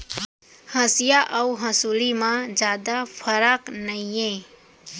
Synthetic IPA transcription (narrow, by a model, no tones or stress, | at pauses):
həsijaʔɐuɦəsulimãd͡ʒjaːd̪apʰəɾaknəijẽ